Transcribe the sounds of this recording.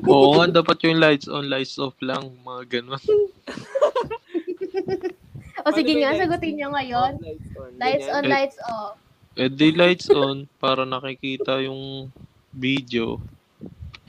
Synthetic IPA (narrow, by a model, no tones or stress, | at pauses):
ʔoʔŋad̪aːpɐt̪jʊŋlajt̪sʔo̰nlajt̪sʔoflɐŋmɐŋaɡɐnon | ʔosɪɡɪŋasɐɡʊt̪ɪɲɲoŋɐjonlajt̪sonlajt̪̚sof | ʔɛd̪ɛlajt̪̚sʔonpaːɾɐnɐkɪkiːt̪ɐjʊŋ | bid̪eo̰